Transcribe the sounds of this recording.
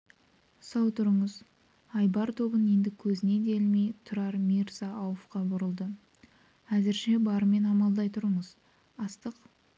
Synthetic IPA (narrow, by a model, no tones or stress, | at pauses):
sɑwt̪ʰʊɾəɴəz | ɑjbɑɾt̪ʰo̞bəne̞nd̪ɪkʲʰɵzɪne̞d̪e̞lmejt̪ʰʊɾɑɾmiɾzɑʔːwəfqɑbʊɾəlˠd̪ə | æzɪɾʃe̞bɑɾəme̞nɑmɑlˠd̪ɑjt̪ʰʊɾəɴəz | ɑst̪əq